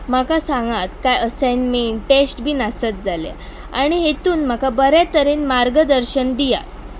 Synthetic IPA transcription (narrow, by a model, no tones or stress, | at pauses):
m̤akasãŋɡat̪kajəsẽnmiːʈesʈbʱiːnasət̪̚d͡zalḛ | a̰ɽ̃iɦet̪uːnmakabəɾat̪əɾinmaɾɡəd̪əɾɕənd̪ija̰t̪̚